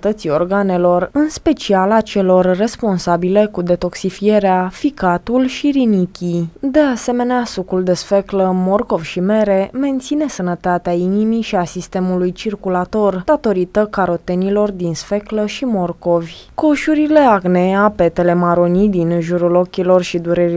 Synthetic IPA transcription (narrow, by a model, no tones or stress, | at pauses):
t̪ət̪sio̞̰rɡane̞lo̞rɨnspe̞t͡ʃialat͡ʃe̞lo̞rːe̞spo̞nsabile̞kud̪e̞t̪o̞ksifie̞ɾeafikat̪ulʃiɾinikʲid̪e̞ase̞me̞neasukuld̪e̞sfe̞kləmo̞rko̞vʲʃime̞ɾe̞me̞nt̪sine̞sənət̪at̪eainimijʃiasist̪e̞mulujt͡ʃirkulat̪o̞rd̪̥at̪o̞ɾit̪əkaɾo̞t̪e̞nilo̞rd̪insfe̞kləʃimo̞rko̞vʲko̞ʃuɾile̞aɡne̞ape̞t̪e̞le̞maɾonid̪inʒuɾulo̞kʲilo̞rʃid̪uɾeɾi